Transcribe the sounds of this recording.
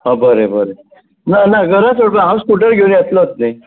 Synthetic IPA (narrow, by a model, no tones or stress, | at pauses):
ɦəbəɾebəɾe | nanaɡəɾat͡soɽaɦãwskuʈəɾɡʱewniasləət̪̚ne